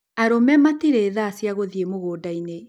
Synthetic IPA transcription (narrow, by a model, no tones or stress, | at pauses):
aɾomɛmatiɾeːðaːsjaɣoðiemoɣoːdaine